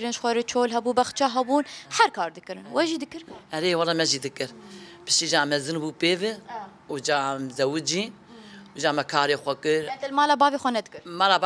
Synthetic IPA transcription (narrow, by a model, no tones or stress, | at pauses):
ɾɨnʃxʷɛɾɨt͡ʃʰoːlɦɛbuːbɐxt͡ʃaɦɛbuːnħæɾkʰɑːɾd̪ɨkɨɾɨnwɛʒiːd̪ɨkɨɾhɛɾeːwɑlːɑːmɛʒiːd̪ɨkɨɾpɨ̥ʃt̪iːd͡ʒaːmɛzɨnbuːpeːvɨ | ud͡ʒaːmzɛwɨd͡ʒiː | uʒaːmɛkʰaːɾexʷɛkɨɾt̪ɐlmɑːlaːbɑːvexʷɛnɛd̪kɨɾmaːla